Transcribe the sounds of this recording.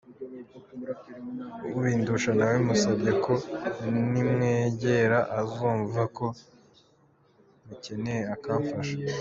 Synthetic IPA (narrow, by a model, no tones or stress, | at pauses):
uwiːnduʃanawemusabɟeko̞nimŋeːɟe̞ɾaʔazuːɱvako̞ | muce̞ne̞jeakaːɱfaʃḁ